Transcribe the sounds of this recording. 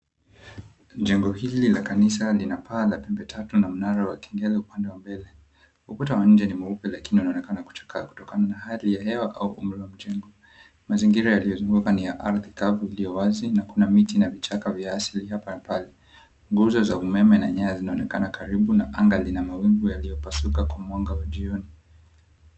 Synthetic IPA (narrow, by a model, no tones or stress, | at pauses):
d͡ʒɛŋɡɔhililakanisalinapʰaːlapɛmbɛtʰatunam̩naɾawakɛ̥ŋɡɛlɛupandɛwambɛlɛ | uputawaɲ̩d͡ʒɛnimuupɛlakiniunaɔnɛkanaku̥t͡ʃḁkʰaːku̥tɔkananahalijaɦɛwaʔauʔum̩ɾɛwam̩d͡ʒɛŋɡɔ | maziŋɡiɾajalijɔzuŋɡukanijaʔaɾðikavuilijɔwazinakunamitinavit͡ʃakavjaasilihapanapalɛ | ŋɡuzɔzaumɛmɛna̰ɲajazinaɔnɛkanakaɾiɓunaʔaŋɡalinamawiŋɡujalijɔpasukakwamwaŋɡawaʄiɔni